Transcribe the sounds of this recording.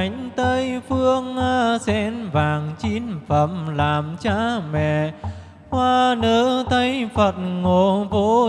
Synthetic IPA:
jŋ̟t̪ə˧jfɨ˧əŋaː˧sɛ˧˥nvaː˨˩ŋt͡ɕi˧nfə˧˨˩mlaː˨˩mt͡ɕaː˧˥mɛ̰˧˨ | hwaː˧nəː˧˦t̪ʰə˧jfə˨˩t̚ŋo˧˨vo˨˧˦

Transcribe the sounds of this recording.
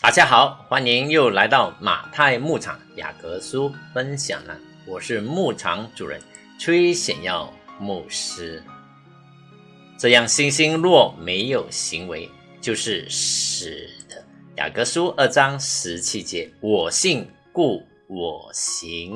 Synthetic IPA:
t̪a˨˩t͡ɕja˥xɑ˨˩˦ʊxwa˥ni˧˥njo˥˩ʊla˧˥ɪt̪ɑ˥˩ʊma̰˨˩t̪ʰa˥˧ɪmu˥˩ʈ͡ʂʰɑ̰˨˩˦ŋja̰˨˩kɤ˧˥su˥fə˥nɕjɑ̰˨˩ŋla̰˧˥ | wɔ˨˩ʂɻ̩˥˧mu˥˩ʈ͡ʂʰɑ̰˧˥ŋʈ͡ʂu˨˩ɻə̰˧˦˥n | t͡sʰwe˥ɪɕjɛ̰˨˩njɑ˥˧ʊmu˥˩ʂɻ̩˥ | ʈ͡ʂɤ˥˧jɑ˥˩ŋɕi˥ŋɕi˥ŋlwɔ˥˩me˧˥ɪjo˨˩ʊɕi˧˥ŋwe˧˥ɪ | t͡ɕjo˥˧ʊʂɻ̩˥˩ʂɻ̩˨˩d̪̥ə˦ja̰˨˩kɤ˧˥su˥ʔə˥˩ʈ͡ʂɑ˥ŋʂɻ̩˧˥t͡ɕʰi˥t͡ɕjɛ˧˥˦wɔ˨˩ɕi˥˧ŋ | ku˥˩ | wɔ˨˩ɕi˧˥ŋ

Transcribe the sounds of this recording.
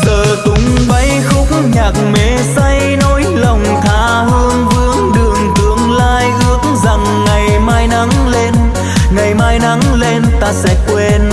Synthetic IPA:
t̪əː˨˩t̪ʊ˨˦ŋ͡m | ɓa˧jxʊ˦˥k͡p̚ŋ͡mɲaː˨˩k̚me˨˦sa˧j | no˨˦jlə˨˩wŋ͡mt̪ʰaː˨˦ | hɨ˧əŋvɨ˧əŋɗɨ˨˩əŋt̪ɨ˨˦əŋlaː˧jʔɨ˨˦˥ək̚ŋza˨˩ŋːa˨˩jmaː˧jna˨˦ŋle˧n | ŋa˨˩jmaː˧jna˨˦ŋle˧nt̪aː˧sɛ̰˧˥kwe˧n

